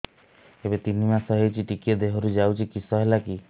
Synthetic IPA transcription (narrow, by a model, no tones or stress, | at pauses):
ebet̪in̤imasɔɦewt͡ʃʰiʈikied̪eɦɔɾud͡ʒawt͡ʃʰikisɔɦelaki